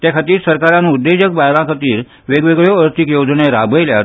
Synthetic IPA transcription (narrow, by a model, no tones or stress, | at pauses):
t̪jakʰat̪iːɾsəɾkaɾãnud̪ːed͡ʑək̚bajlãkʰat̪iːɾ | ʋeɡʋeɡɭjoəɾt̪ʰikjod͡zɳeɾabʱəjlja